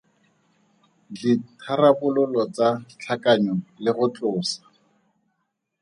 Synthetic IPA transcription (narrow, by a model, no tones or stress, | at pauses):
ditʰarabʊlʊlɔt͡sat͡ɬʰakaɲɔlɪχʊt͡ɬʼʊːsḁ